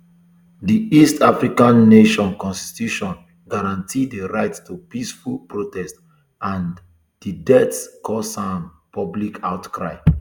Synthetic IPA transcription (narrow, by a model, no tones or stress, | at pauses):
diistafɹikãnːeʃɔ̃nkɔ̃nsti̥tuʃɔ̃n | ɡaɹãntʰidəɹaɪtstʰupisfulpɹotɛst | ãn | d̥idɛtskʰɔsãm | pɔblikʰaʊtkɹaɪ